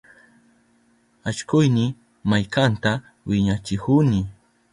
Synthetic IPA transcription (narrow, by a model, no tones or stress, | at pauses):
at͡ʃkʊjnɪ | majkant̪a | wɪɲat͡ʃɪhʊnɪ